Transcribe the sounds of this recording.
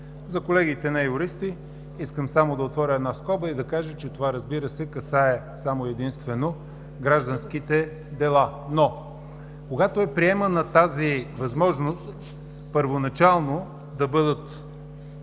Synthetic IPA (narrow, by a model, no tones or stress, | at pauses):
zɐkolɛɡit̪ɛnɐjʊɾist̪i | iskəmsamod̪ɐot̪vɔɾʲəɛːd̪naskɔbəid̪ɐkaʒət͡ʃɛt̪ovaɾɐzbiɾəsɛkɐsaɛ | samoɛd̪inst̪vɛno | ɡɾaʒd̪ɐnsk̟it̪ɛ | d̪ɛlˠano | koɡat̪oɛpɾiɛmənɐt̪azivɐzmɔʒnost̪ | pəɾvonɐt͡ʃalˠno | d̪ɐbɤd̪ət̪